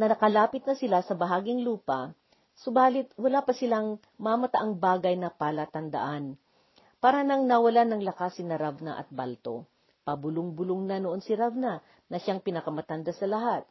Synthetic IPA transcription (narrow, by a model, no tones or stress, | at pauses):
nɐɐkɐlaːpɪt̪̚nɐsɪlasɐbɐɦaːɡɪŋluːpɐ | sobaːlɪt̪̚wɐlapɐsɪlaŋ | mamɐt̪aʔaŋbaːɡɐjnɐpalat̪ɐnd̪ɐ̰ʔan | paːɾɐnɐŋnɐwɐlanɐŋlɐkasɪnɐɾavnɐ̰ʔɐ̰t̪̚ba̰lt̪o̞̰ | pɐbʊloŋbʊloŋnanoʔo̞nsɪɾavna | nɐʃaŋpɪnɐkɐmɐt̪ɐnd̪asɐlɐɦat̪̚